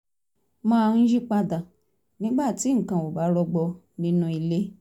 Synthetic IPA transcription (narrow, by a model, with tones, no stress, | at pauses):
mã˦˧˦d͡ʒi˦k͡pa˧da˨ | nĩ˨˦ɡ͡ba˦˨ti˨˦ŋ̩˨kã˨o˨ba˨˦ɾɔ˧ɡ͡bɔ˧ | nĩ˧˦nũ˧˦i˨le˦